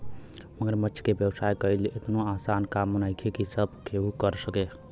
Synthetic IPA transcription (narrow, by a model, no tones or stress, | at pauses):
məɡɾmətːt͡ʃʰkebjəwsajkəilet̪noasankamənajkʰekisəbkʰeɦukəɾsəke